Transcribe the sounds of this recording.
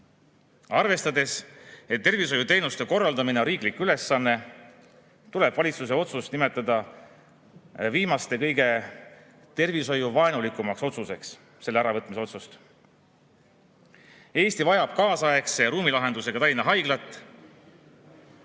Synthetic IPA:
ɑrve̞st̪ɑd̪e̞set̪ːe̞rviso̞jut̪e̞jnust̪e̞ko̞rːɑld̪ɑmineoɾiːklikːˑyle̞sːɑnːe̞ | t̪ule̞b̥vɑlʲit̪sus̬e̞o̞t̪sust̪nime̞t̪ːˑɑd̪̥ɑ | viːmɑst̪e̞kɤ̞jɡe̞ | t̪e̞rviso̞juvɑenulikːˑumɑkso̞t̪suse̞ks | se̞lːeæɾɑvɤt̪ːˑmiseo̞t̪sust̪ | e̞ːst̪ivɑjɑb̥̚kɑːsɑe̞kseɾuːmilɑɦe̞nd̪use̞ɡɑt̪ɑlʲinɑɦɑjɡ̥lɑt̪ːˑ

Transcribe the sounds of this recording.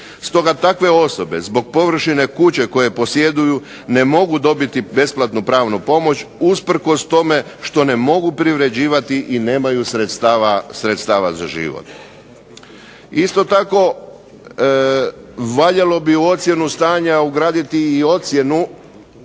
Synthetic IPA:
st̪o̞ɡat̪akʋe̞o̞so̞be̞̰zbo̞ɡ̚po̞ʋr̩ʃine̞kut͡ɕe̞ko̞je̞po̞sje̞d̪uju | ne̞mo̞ɡud̪o̞bit̪ibe̞splat̪nupɾaːʋnupo̞mo̞t͡ɕuspr̩ko̞st̪o̞me̞ʃt̪o̞ne̞mo̞ɡupɾiʋɾe̞d͡ʑiːʋat̪iʔine̞ːmajusɾet̪st̪aʋasɾet̪st̪aːʋazaʒḭʋo̰t̪̚ | ist̪o̞t̪ako̞ | ʋaʎelo̞biuo̞t̪sje̞nust̪aːɲauɡɾaːd̪it̪iːo̞t̪sje̞nu

